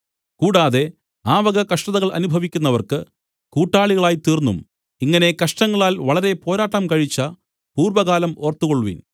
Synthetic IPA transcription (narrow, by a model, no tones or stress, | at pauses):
kuːɽaːðe̞ | aːʋɐɣɐkɐʂʈɐðɐɣɐɭɐ̰nubʱɐʋikʲːunːɐʋɐrkɨ | kuːʈːaːɭiɣɐɭaːjt̪iːrnːṵm | iŋːɐne̞kɐʂʈɐŋːɐɭaːlʋɐɭɐɾe̞po̞ːɾaːʈːɐmkɐɻit͡ɕːɐ | puːrʋɐɣaːlɐmo̞ːrt̪ukoɭːuʋḭn